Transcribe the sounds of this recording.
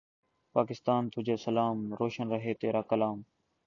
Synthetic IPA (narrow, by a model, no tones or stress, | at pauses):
paːkɪst̪aːnt̪ʊd͡ʒeːsəlaːmɾoːʃənɾəɦeːt̪eːɾaːkəlaːm